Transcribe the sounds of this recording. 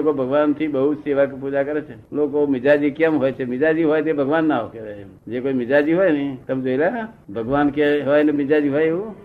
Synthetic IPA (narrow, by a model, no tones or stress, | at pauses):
okobʱəɡʋant̪ʰibəɦʊt̪seʋakpud͡ʒakəɾet͡ʃʰelokomɪd͡ʒad͡ʒikəmɦojt͡ʃʰemɪd͡ʒad͡ʒiɦojt̪ebʱəɡʋanːaokeʋee | d͡ʒekoimɪd͡ʒad͡ʒiɦojnəit̪əmd͡ʒoilaabʱəɡʋankeɦojnəmɪd͡ʒad͡ʒiɦojeo